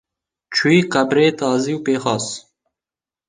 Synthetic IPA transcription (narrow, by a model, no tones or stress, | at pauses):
t͡ʃʰuiːqɐbɾeːt̪ɑːziwpeːxɑːs